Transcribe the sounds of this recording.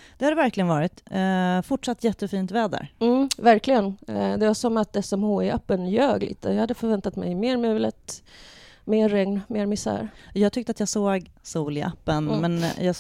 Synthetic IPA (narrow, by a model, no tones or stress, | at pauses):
d̪̥ɛhad̪ɛvæɾklɪɡənvɑːɾɪt̪fʊʈʂat̪ːjɛt̪ːəfiːnt̪vɛːd̪ə̰ɾm̩væɾklɪɡənd̪ɛvasɔmat̪̚d̪ɛsɔmhoːɪapːənjøːɡlɪ̰ːt̪əjɑhad̪ːəfœɾvɛnt̪at̪mɛ̰jmeːɾmʉ̟ːlət̪ | meːɾːɛŋnmeːɾmɪsæ̰ːɾjɑːɡt̪ʰʏk̚t̪əat̪jɑːsoːɡ | suːlɪʔa̰pːənmɛnjɑː